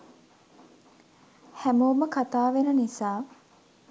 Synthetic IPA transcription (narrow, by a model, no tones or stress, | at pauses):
hæmoːməkat̪aːʋenənisaː